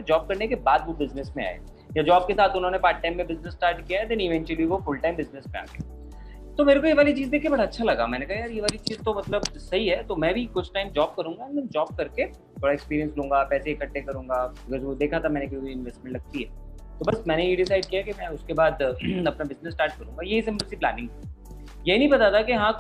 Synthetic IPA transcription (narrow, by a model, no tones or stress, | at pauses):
ed͡ʒɔːb̚kɐɾnekebaːd̪ʋobɪznɪsmẽa̰ːḛː | jad͡ʒɔːb̚kesaːt̪ʊnɦõːnepaːɾʈ̚ʈːãɪ̃mːẽbɪznɪsːʈaːɾʈkijaɦɛd̪ɛ̃nɪʋɛ̃ːɲt͡ʃəliʋofʊlʈãɪ̃mbɪznɪsmẽa̰ːɡḛ | t̪omeːɾekojeʋaːlit͡ʃiːzd̪eːkʰːebɐɽaɐtːʃʰalɐɡa̰mɛ̃ːnekaɦjaːɾjeʋaːlit͡ʃiːzt̪omɐt̪ləbsɐɦiɦɛt̪omɛ̃ːbʱikʊt͡ʃʰʈaːɪmd͡ʒɔːb̚kɐɾũːŋɡand̪ɛ̃nd͡ʒɔːb̚kɐɾke | t̪ʰoːɽaekspiːɾijə̃nslũːŋɡapɛːseɪkəʈːekɐɾũːŋɡaɐɡəɾʋod̪eːkʰat̪ʰamɛ̃ːnekɐikoiɪ̃nʋeːsʈmɛ̃ɳʈlɐɡ̚t̪iɦɛː | t̪oːbɐsmɛ̃ːnejeɖɪsaːɪɖ̚kiakemɛ̃ʊskebaːd̪ɐpnabɪznəsːʈaːɾʈ̚kɐɾũːŋɡajeɦis̬ɪ̃mbəlsiplæ̰ːnɪ̃ŋɡɦ | jeɦinɐɦĩbɐt̪at̪ʰakeɦãː